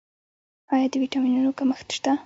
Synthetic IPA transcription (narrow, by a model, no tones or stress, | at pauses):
ɑjɑd̪əwiʈɑminunokaməxt̪ʃt̪a